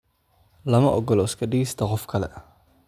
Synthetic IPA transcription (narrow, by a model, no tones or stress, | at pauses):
lɐmɐʔɔɡɔlɔɪskʰɐɖɪɡɛst̪ʰɐqɔfkʰɐlɛ̰